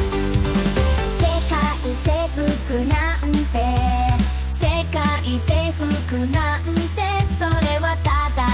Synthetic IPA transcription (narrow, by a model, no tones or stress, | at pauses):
sekaʔiseɸɯkɯna | ɯ̃nt̪e | sekaʔiseɸɯkɯna | ɯnt̪esoɾewat̪ad̪a